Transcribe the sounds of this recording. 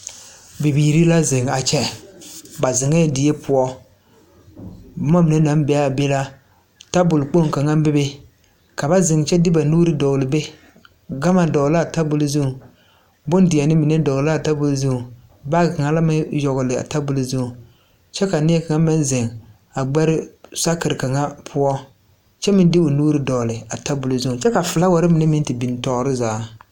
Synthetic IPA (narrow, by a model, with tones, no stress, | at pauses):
bi˨biː˨ɾi˦la˦zɪ˨ŋ˨a˨t͡ʃɛ˦ | ba˨zɪ˨ŋɛ˦˨dɪ˨je˦pʰʊ˦ɔ˦ | ba˨˦ma˦mi˨ne˦na˨˦m˦bɛ˨˦a˦˨be˦la˦ | ta˦bʊ˨lk͡po˦˨ŋ˨ka˨ŋa˦m˦bɪ˦be˦ | ka˨ba˦zɪ˨ŋ˨t͡ʃɛ˦dɪ˦ba˨nuː˦ɾɪ˦dɔ˨lɪ˨be˦ | ɡa˦ma˨dɔ˨la˦˨ta˦bʊ˨lzu˦˨ | bʊ˦ndɪ˨a˨nɪ˦mi˨ne˦dɔ˨˦la˦˨ta˦bʊ˨lzu˦u˨ | ba˦ɡɪ˨ka˨ŋa˦la˦mɪ˦jɔ˨ɣʊ˨lɪ˨a̰˨ta˦bʊ˨lʊ˨zu˦ŋu˨ | t͡ʃɛ˦ka˨nɪ˦ɛ˦ka˨ŋa˦mɪ˦n˦zɪ˨ŋ | a˨ɡ͡bɛ˦ɾɪ˦sa˦kɪ˨ɾɪ˨ka˨ŋa˦pʰʊ˦ɔ˦ | t͡ʃɛ˦mɪ˦n˦dɪ˦ʊ˨nuː˦ɾi˦dɔ˨lɪ˨a˨ta˦bʊ˨lʊ˨zu˦u˨t͡ʃɛ˦ka˨fɪ˨la˦wa˨ɾɪ˦mi˨nɛ˦mɪ˦n˦tɪ˨bi˨n˨tɔ˨˦ɾɪ˦zaː˨˦